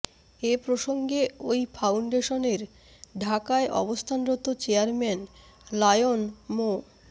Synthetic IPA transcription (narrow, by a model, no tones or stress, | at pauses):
epɾoʃoŋɡeojfawɳɖeʃoneɾ | ɖʱakaeʔɔ̰bost̪ʰanɾot̪ːot͡ɕeaɾmɛn | lajonmo